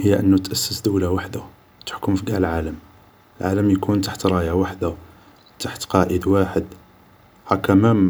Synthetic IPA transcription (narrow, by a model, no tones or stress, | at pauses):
həjːæʔənːut̪ʔæsːəsd̪əwlawaħd̪a | t̪ə̥ħkʊmfiɡæʕləlʕaləm | əlʕaləmjkunt̪aħt̪ɾˤɑjawaħd̪a | t̪aħt̪qɑʔəd̪waħəd̪ | hækːæmæ